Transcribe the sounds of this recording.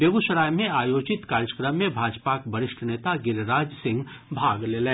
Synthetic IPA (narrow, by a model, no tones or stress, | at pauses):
bjeɡuʃəɾaːjmẽaːjoːd͡ʒɪt̪kaːɾjəkɾəmːẽbʱaːd͡ʒpakbɐɾɪʃʈʰneːt̪aɡɪɾɾaːd͡ʒsɪ̃ŋɡ | bʱaːɡleːlẽː